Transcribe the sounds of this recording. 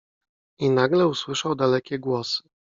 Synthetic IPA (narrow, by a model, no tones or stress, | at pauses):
inaɡlɛuswɘʂawd̪alɛkʲɛɡwɔsɘ̥